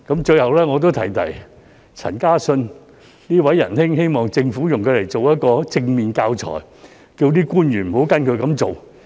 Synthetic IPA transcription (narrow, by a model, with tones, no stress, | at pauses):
kɐ˨˥mt͡ʃɵ˧ɥhɐ˨wlɛː˥ŋɔː˨˧t̪̬o˥wt̪ʰɐ˨˩jt̪ʰɐ̰˨˩j | t͡sʰɐ̰˨˩nkaː˥sɵ˧n | niː˥wɐ˨˥jːɐ̰˨˩nhɪ˥ŋɦe˥jmɔː˨˩ŋt͡sɪ˧ŋfuː˨˥jʊ˨ŋkʰɵ˨˧le˨˩jt͡so˨wjɐ˥t̚kɔː˧t͡sɪ˧ŋmiː˨nkaː˧wt͡sʰɔ̰ː˨˩j | kiː˧wt̪̬iː˥kuː˥njyː˨˩nm̩˨˩ho˨˥wkɐ˥nkʰɵ˧ɥkɐ˨˧˥mt͡so˨w